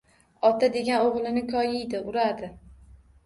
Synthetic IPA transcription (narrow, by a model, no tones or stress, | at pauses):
ɒt̪ʰad̪e̞ɡʲanoʁlˠɪnɪkʲʰɒjɪjd̪ɪʊɾad̪ɪ